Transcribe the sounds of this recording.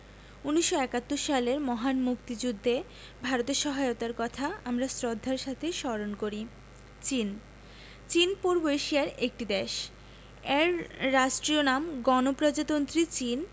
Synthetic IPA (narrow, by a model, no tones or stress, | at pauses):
unːiʃːoɛkat̪ːoɾʃaleɾmɔɦanmukt̪id͡ʑud̪ʱːe | bʱaɾot̪eɾʃɔɦaeot̪aɾkɔt̪ʰaamɾasɾod̪ʱːaɾʃat̪ʰeʃɔɾonkoɾi | t͡ɕin | t͡ɕinpoɾboeʃiaɾek̚ʈid̪ɛʃ | ɛɾːaʃʈɾionamɡɔnopɾɔd͡ʑat̪ont̪ɾit͡ɕin